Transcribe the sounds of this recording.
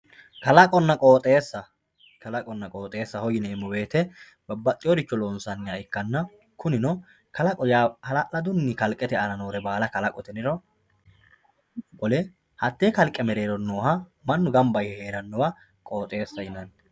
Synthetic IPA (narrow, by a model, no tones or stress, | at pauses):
kɐlɐkʼɔnːɐkʼoːt̪ʼeːsːɐ | kɐlɐkʼɔnːɐkʼoːt̪ʼe̞ːsːɐhɔjɪneːmːɔbe̞ːt̪ɛ | bɐbɐt̪ʼːɪjɔd̪ɪt͡ʃːɔloːnsɐnːɪjaɪkːɐnːɐ | kʊnɪnɔ | kɐlɐkʼɔjahɐlɐʔɐd̪ʊnːɪkɐlkʼːɛt̪ɛɐnɐnoːɾɛbaːlɐkɐlɐkʼɔt̪ɛnɪɾɔ | kɔlɛ | hɐt̪ːeːkɐlkʼːɛmɛɾeːɾɔnoːhɐmɐnːʊɡɐmbɐjhɛheːɾɐnːɔwɐ | kʼo̞ːt̪ʼe̞ːsːɐɪnɐn